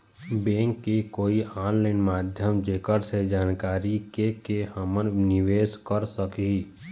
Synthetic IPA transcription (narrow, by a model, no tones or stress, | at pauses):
bẽːŋkːekoːiaːnlaɪnmaːd̪ʱjəmd͡ʒeːkəɾsed͡ʒaːnkaːɾikekehəmənnɪʋeːskəɾsəkii